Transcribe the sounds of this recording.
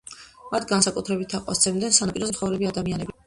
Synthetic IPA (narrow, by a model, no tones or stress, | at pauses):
mat̪ʰɡansakʼut̪ʰɾɛbit̪ʰaqʼwa̰st̪sʰɛmd̪ɛnsanapʼiɾɔzɛmt̪sχɔvɾɛbiad̪amianɛbi